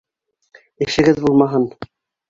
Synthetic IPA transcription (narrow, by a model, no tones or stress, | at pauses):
ɘ̆ʃɘ̆ɡɘðbulˠmɑɦɤn